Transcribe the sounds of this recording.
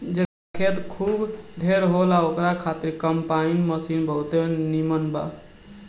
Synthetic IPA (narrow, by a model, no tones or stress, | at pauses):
d͡ʒe | kʰet̪kʰubɖʱeɾɦolaokɾakʰat̪iɾkəmpainməsinbʱəʊt̪enimənba̰